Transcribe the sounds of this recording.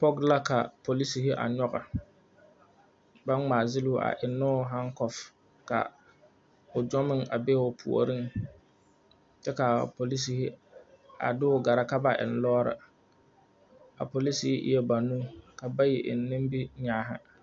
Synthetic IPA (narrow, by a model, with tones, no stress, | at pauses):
pɔ˦ɡla˦ka˨po˨li˦si˨hɪ˦ʔa̰˨ɲɔ˦ɣa˨ | ba˦ŋŋ͡maː˨zɪ˦lu˦ʔa̰˨ʔɪ˨nːʊ˦ɦa˦ŋkɔ˨f | ka̰˨ | ʊ˨d͡ʒɔ˦mɪ˦ŋa̰˨bɛ˦ʊ˨pʰṵ˨o̰˨ɾɪ˦ŋ | t͡ʃɛ˦ka˨po˨li˦s̬i˨hɪ˦ | a̰˨dʊ˦ʊ˦ɡa˨ɾa˦ka˦ba˨ʔɪ̰˨n˨lɔː˦ɾɪ̰˨ | a̰˨po˨li˦si˦hɪ˦ʔɪ̰˦jɛ˦ba˨nũ˦ka˨ba˦jɛ˨ʔɪ̰˨nː˦ɪ˦mbi˦ɲaː˦ɦɪ̰˦